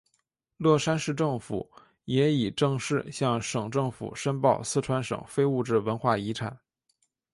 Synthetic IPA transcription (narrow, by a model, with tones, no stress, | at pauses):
lwɔ˥˩ʂa˥nʂɻ̩˥˧ʈ͡ʂɤ˥˩ŋfṵ˨˩˦ | jɛ˧˥i˨˩ʈ͡ʂɤ˥˧ŋʂɻ̩˥˧ɕjɑ˥˩ŋʂɤ˨˩ŋʈ͡ʂɤ˥˩ŋfṵ˨˩ʂə˥npɑ˥˧ʊsɹ̩˥˧ʈ͡ʂʰwa˧˥nʂɤ̰˨˩ŋfe˥ɪu˥˧ʈ͡ʂɻ̩˥˩wə˧˥nxwa˥˩i˧˥ʈ͡ʂʰa˨˩˦n